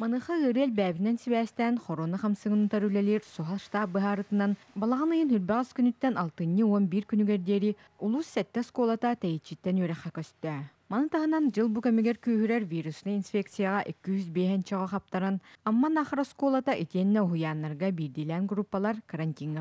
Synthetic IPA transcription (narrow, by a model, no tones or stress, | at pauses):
manɯːχaɯɾɯɛlʲbæːβinɛnsiβæːst̪ɛːnχɔɾoːnaχamsɯɡɯnut̪aɾylɛlʲiːɾsuɦalˠʃt̪aːp̚bɯɦaːɾɯt̪ɯnan | balˠaʁanɯjɯnɦyɾbɛʁɛskynyt̪ːɛnalˠt̪ɯnːɯuɔmbiɾkynyɡɛɾd̪iːɾi | ulˠusːɛt̪ːɛskoːlˠat̪at̪ɛjit͡ɕːit̪ːɛnyœɾɛχɛkœst̪œ | manɯt̪aɦɯnand͡ʑɯlˠbukɛmɛɡɛɾkyːɦyɾɛɾvʲiːɾusnainsfʲek̚t̪sɨjaʁaʔekːyyzbeːɦɛnt͡ɕɛʁɔχap̚t̪aɾanamːanaχɾɔskoːlˠat̪aʔit̪iɛnːɛuɦujaːnːaɾɡabiːɾd̪iːlɛːnɡɾupːalˠaɾkɐɾanʲt̪ʲiŋɡ